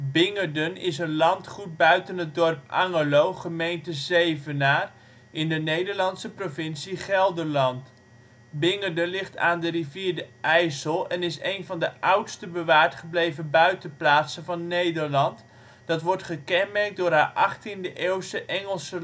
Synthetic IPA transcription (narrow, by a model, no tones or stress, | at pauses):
bɪŋəɹdənɪsənlɑntχut̚bœɥtənɦət̚dɔrpɑ̰ŋəlowχəmejntəzejvənaːr | ɪndənejdəɹlɑntsəprovɪnsiχɛlˠdəɹlɑnt | bɪŋədənlɪχta̰ːndəriviːɹdəʔɛjsəlˠɛnɪsejnvɑndəʔʌwtstəbəʋaːɹtχəblejvənbœɥtəplaːtsənvɑnːejdəɹlɑnt | d̥ɑtʋɔɹtχəkɛnmɛrk̚dʊːrɦaːʔɑχtindəʔeːwstəʔɛŋəlˠsə